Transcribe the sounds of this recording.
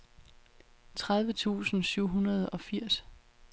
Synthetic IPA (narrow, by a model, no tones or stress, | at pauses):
t͡sʰʁaðˠʋət͡sʰṵːsn̩syʊ̰ɦunɐð̞ˠɒ̽fiɐ̰s